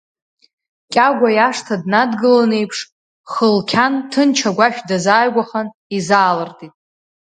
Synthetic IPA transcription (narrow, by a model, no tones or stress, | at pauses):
kʲʼaɡʷajaʂtʰadnadɡɨlane̞jpʰʂ | χəlkʲʰantʰɨnt͡ʃʰaɡʷaʃʲᶣdazaːjɡʷaχan | izaːlɨrtʰʼitʼ